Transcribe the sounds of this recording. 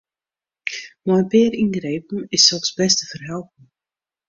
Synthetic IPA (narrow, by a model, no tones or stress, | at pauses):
mɔjəpɪəɾinɡrejpn̩ɪsːɛlˠfsbɛstəfərɦɛlˠpn̩